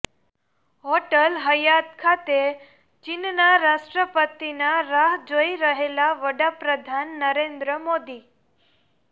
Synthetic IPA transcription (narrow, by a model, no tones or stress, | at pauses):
ɦoʈəlɦəjat̪̚kʰat̪e | t͡ʃinnaɾaʃʈɾəpət̪inaɾaɦd͡ʒoiɾəɦelaʋəɽapɾəd̪ʱanːəɾend̪ɾəmod̪i